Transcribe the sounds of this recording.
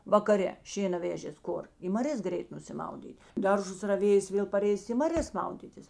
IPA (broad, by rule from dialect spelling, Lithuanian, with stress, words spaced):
ʋɐkɐˈrʲɛ ˈʃʲeːnɐ ˈʋʲæːʒʲeːs ˈkʊr ɪ mɐˈrʲeːs ˈɡrʲɛɪt nʊsʲɪˈmɐʊdʲiːtʲ ˈdɐrˌʒʊs rɐˈʋʲeːjeːs ˈʋʲeːlˠ pɐˈrʲɛɪsʲɪ ɪ mɐˈrʲeːs ˈmɐʊdʲiːtʲɪs